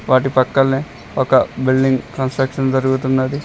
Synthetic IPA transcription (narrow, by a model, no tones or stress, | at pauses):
ʋaːʈipɐkːɐlneː | ɔkɐbilɖiŋɡʈɐnsʈɾɐkʂɐnd͡ʒɐɾuɡut̪unːɐd̪i